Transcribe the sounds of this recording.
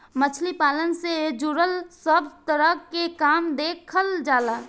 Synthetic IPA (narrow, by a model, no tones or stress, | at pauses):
mət͡ʃʰlipaːlənsed͡ʒuɾəlsəbʱt̪əɾəkːekaːmd̪eːkʰəld͡ʒaːlaː